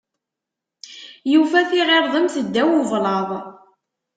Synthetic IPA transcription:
jufæθiʁeɾˤðˤəmθəd̪ːæwʊvlɑðˤ

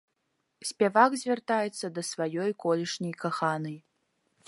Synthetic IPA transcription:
sʲpʲɛvaɡzʲvʲɛrt̪ajɛt̪sːɐd̪ɐsvajɔjkɔlʲiʂnʲɐjkaxanɨj

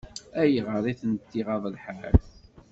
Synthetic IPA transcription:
æjəʁəɾˤiθənt̪ːiʁɑðˤəlħa̰l

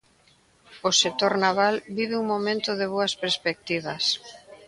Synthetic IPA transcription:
oset̪oɾnaβalbiβeuŋmomẽnt̪oðeβ̞oɐspeɾspek̚t̪iβ̞ɐs

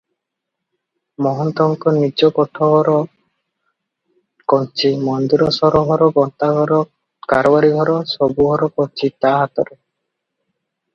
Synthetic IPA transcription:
mɔɦɔnt̪ɔŋkɔnid͡ʒɔkɔʈʰːɔɦɔɾɔ | kɔnt͡ʃimɔnd̪iɾɔsɔɾɔɦɔɾɔɡɔnt̪aɡɔɾɔ | kaɾɔbaɾiɡʱɔɾɔsɔbuɡʱɔɾɔkɔnt͡ʃit̪aɦat̪ɔ̰ɾe

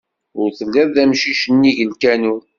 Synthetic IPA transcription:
ʊɾθəlːiðˤðæmʃiʃənːiʝəlkænu

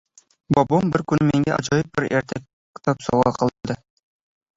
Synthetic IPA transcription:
bɒbombɘɾkʉnmiŋɡæʔɒ̰ʑɑjɤp̚bɘɾḛɾt̪æk̚ | t̪ɑpsɒ̰wʁɑqɑ̆lˠɤld̪ɤ

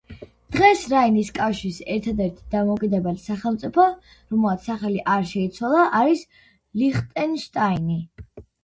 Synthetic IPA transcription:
d̪̥ʁɛsɾainiskʼafʃisɛɾt̪ʰad̪ɛɾt̪ʰi̥d̪amɔkʼid̪ɛbɛlsaχɛlˠmt̪sʼipʰɔ | ɾɔmlˠat̪ssaχɛliʔaɾʃɛit̪sʰwalˠaʔaɾis | liχt̪ʼɛnʃt̪ʼaini

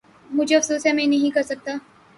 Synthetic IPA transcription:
mʊd͡ʒʱeɐfsuːsjamẽnɐɦĩkɐɾsək̚t̪aː

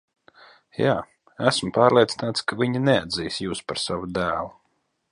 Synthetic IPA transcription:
jaː | æsmpaːɾlˠiɛt̪si̥naːt̪skaviɲinɛad̪ziːjsjuːspaɾsavud̪æːlˠu

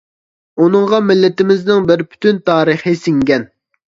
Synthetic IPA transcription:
unɨŋʁɑmɪlːɪt̪ɪmɪznɪŋbɪɾpʰy̥t̪ʰynt̪ʰɑːɾəχɪsɪŋɡʲɛn

